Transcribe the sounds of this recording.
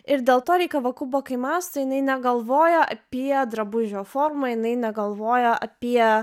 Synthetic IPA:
ɪɾd̪ʲeːlˠt̪oːɾʲɛɪkʲɐʋɐkʊboːkɐɪmɑːst̪ɐjɪnɐɪnʲɛɡɐlˠʋoːjɛʔɐpʲiɛd̪ɾɐbʊʒʲoːfoːɾmɐːjɪnɐɪnʲɛɡɐlˠʋoːjɛʔɐpʲiɛ

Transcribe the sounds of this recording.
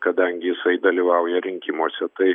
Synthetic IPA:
kɐd̪ɐŋʲɡʲɪjɪsɐɪd̪ɐlʲiːʋɑˑʊjɛɾʲɪŋʲkʲɪmoːsʲɛt̪ɐɪ

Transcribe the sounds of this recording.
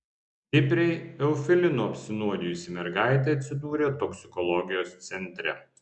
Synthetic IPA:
t̪ʲɪpʲɾʲɛɪɛʊfʲɛlʲɪnuːɐpʲsʲɪnuɔd̪ʲɪjʊsʲɪmʲɛɾɡɑˑɪt̪̬ʲɐɪɐt̪ʲsʲɪd̪uːɾʲeːt̪ɔksʲɪkɔlˠɔɡʲɪjoːst̪sʲɛnʲt̪ʲɾʲɛ̰

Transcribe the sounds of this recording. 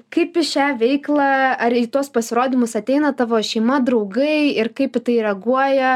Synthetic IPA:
kɐɪpɪʃʲæːʋʲɛɪklˠɑːɐɾit̪uɔspɐsʲɪɾoːd̪ʲɪmʊsɐt̪ʲɛɪnɐt̪ɑːʋoːʃʲɛɪmɐd̪ɾɐʊɡɐɪɪrkɐɪpɪt̪ɐɪɾʲɛɡuɔjɛ

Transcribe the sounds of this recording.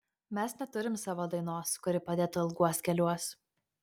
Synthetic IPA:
mʲɛsnʲɛt̪ʊɾʲɪmsɑːʋoːd̪ɐɪnoːskʊɾʲɪpɐd̪ʲeːt̪ʊɪlˠɡuɔskʲɛlʲuɔs

